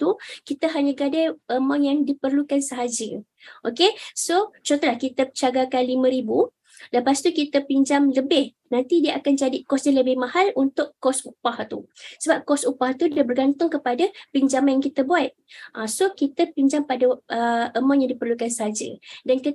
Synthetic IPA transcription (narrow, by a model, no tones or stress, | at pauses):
t̪ukit̪əɦaɲəɡadajʔəmaŋjaŋdipərlukansəɦad͡ʒə | ʔokesot͡ʃont̪olahkit̪ət͡ʃaɡakanlimə̃ɾibu | ləpast̪ukit̪əpiɲd͡ʒamləbɪh | nãnt̪idiəʔakand͡ʒadikɔsjaŋləbɪhmahalunt̪ʊkkːɔsupaht̪ṵsəbap̚kɔsupaht̪udabərɡant̪ʊŋkəpadapiɲd͡ʒamanjaŋkit̪əbuat̪̚ʔasokit̪əpiɲd͡ʒampadaəəmãŋjaŋdipərlukansəɦad͡ʒə̰dankə